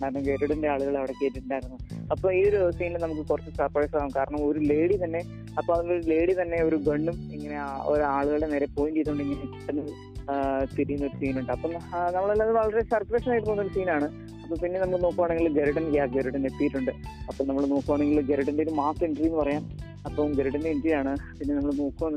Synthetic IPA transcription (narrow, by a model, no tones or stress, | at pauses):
anɐɡeɾuɽɐndeaːɭuɣɐɭɐʋiɽekːeːʈːɳɖaːjiɾunːuðɐpːoːioɾusiːnɨnɐmuk̬ːɨkurɐt͡ɕːɨsɐrfɾeːʂaːɐmkaːɾɐɳɐmo̞ɾule̞ːɽit̪ɐnːe̞ | ɐpːoːɐðŋɡille̞ːɽit̪ɐnːe̞oɾuɡɐɳːumiŋːɐne̞ao̰ɾuaːɭuɣɐɭene̞ːɾe̞po̞ːjund͡ʑejt̪uuɳɖɨiŋːɐneki̥ʈːɐnːɐ | t̪iɾijunːɐo̞ɾusiːnuɳɖɨɐpːomnɐmːɐɭɐlːaðɨʋɐɭɐɾe̞sɐrpɾeʂnaːjʈːɨp̪ounːoɾusiːnaːɳɨ | ɐpːoːmpinːenɐmːɐɭnoːkːuʋaːɳːeŋɡilɡeɾɐɽɐnɡjaːɡeɾɐɽɐnet̪ːijiʈːuɳɖɨɐpːomnɐmːɐɭnoːkːuʋaːɳːeŋɡilɡeɾɐɽɐndeoɾumaːseɳɖriːnːɨpɐrɐjaːm | ɐpːoːmɡeɾɐɽɐndeindiɾaːɳɨpinːe̞nɐmːɐɭnoːkːuʋɐn